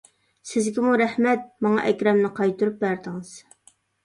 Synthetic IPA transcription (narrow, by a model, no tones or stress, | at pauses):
sɪzɡʲimuɾɛhmɛt̪̚mɑŋɑ̰ʔɛkʲɾɛmnɪqʰɑjt̪uɾup̚bæɾd̪ɪŋɪz̥